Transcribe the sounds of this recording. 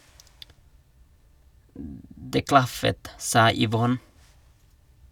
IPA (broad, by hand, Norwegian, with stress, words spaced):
ˈdeː ˈklɑfət ˈsɑː ʏˈʋɔn